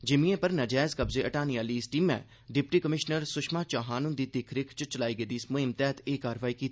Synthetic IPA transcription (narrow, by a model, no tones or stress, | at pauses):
d͡ʒɪmĩẽːpəɾnəd͡ʒɛːzkəbzeːʔəʈaːniːaːliːɪsʈiːmɛ̰̃ː | ɖɪpʈiːkəmɪʃnəɾsʊʃmaːt͡ʃaːɦaːnʊ̃nd̪iːt̪ɪkʰɾɪkʰt͡ʃət͡ʃəlaːiːɡəːd̪iːsmʊɪmt̪ɛːt̪eːkaːɾʋaːiːkiːt̪i